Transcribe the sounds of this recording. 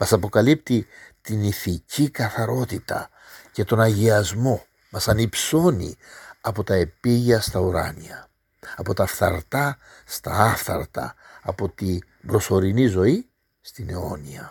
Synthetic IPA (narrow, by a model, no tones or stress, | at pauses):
mɐsɐpo̞kɐlip̚t̪it̪iniθicikɐθɐɾo̞t̪it̪ɐ̰ | ce̞t̪o̞nɐʝiɐzmo̞ | mɐsɐnipso̞nḭɐpo̞t̪ɐe̞piʝɐst̪ɐuɾɐ̰niɐ | ɐpo̞t̪ɐfθɐ̰ɾt̪ɐ | st̪ɐɐfθɐ̰ɾt̪ɐ̰ːpo̞t̪i | bɾo̞so̞ɾinizo̞i | st̪ine̞o̞niɐ